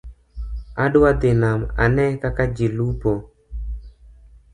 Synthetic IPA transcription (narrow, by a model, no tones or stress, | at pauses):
adwad̪ɪnama̰nɛkakad͡ʒilupo